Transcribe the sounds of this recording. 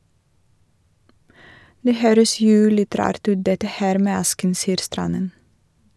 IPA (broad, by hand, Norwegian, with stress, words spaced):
ˈdeː ˈhøːɾəs ˈjuː ˈlɪt ˈɾɑːɾt ˈʉːt ˈdɛtə ˈhæːɾ ˈmeː ˈɑskn̩ ˈsiːəɾ ˈstɾɑnən